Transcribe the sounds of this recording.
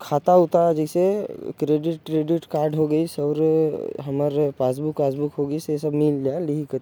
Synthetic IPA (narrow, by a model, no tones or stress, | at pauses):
kʰat̪aʊt̪ad͡ʒəɪsekɾeɖɪʈ̚kɾeɖɪʈkaːɾɖɦoɡəisɔːɾɦəməɾpasbukpasbukɦoɡəisesəbmild͡ʒjaliɦikə